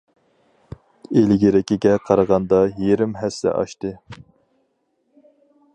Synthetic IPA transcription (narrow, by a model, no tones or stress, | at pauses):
elɪɡʲeɾɪkʲɪɡʲɛqʰɑɾəʁɑnd̪ɑjeɾɪmɦæsːɛ̰ʔɑ̰ʃt̪ɨ